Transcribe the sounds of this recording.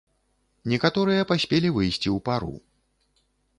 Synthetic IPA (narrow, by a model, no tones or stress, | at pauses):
nʲɛkat̪ɔɾɨjɐpasʲpʲelʲivɨjsʲt͡sʲiupaɾṵ